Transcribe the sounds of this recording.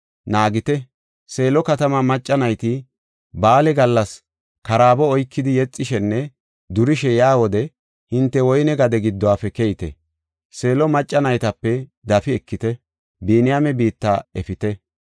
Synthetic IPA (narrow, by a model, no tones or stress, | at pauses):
naːɡɪt̪ɛ | se̞ːlɔkɐt̪ɐmɐmɐt͡ʃʼːɐnɐjt̪ɪ | baːlɛɡɐlːɐs | kɐɾaːbɔɔjkːɪd̪ɪjɛt͡sʼːɪʃɛnːɛ | d̪ʊɾɪʃɛjaːwɔd̪ɛ | hɪnt̪ːɛwɔjnɛɡɐd̪ɛɡɪd̪ːɔwaːfɛkɛjɪt̪ɛ̰ | se̞ːlɔmɐt͡ʃʼːɐnɐjt̪ɐpːɛd̪ɐfɪɛkːɪt̪ɛ | biːnɪjamɛbiːt̪ːaɛfɪt̪ɛ